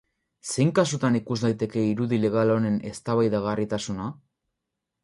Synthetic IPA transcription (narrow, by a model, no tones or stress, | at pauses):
se̞jŋkasut̪anikuzd̪ajt̪e̞ke̞iɾuðile̞ɣ̞alo̞ne̞ne̞st̪aβajðaɣarit̪asuna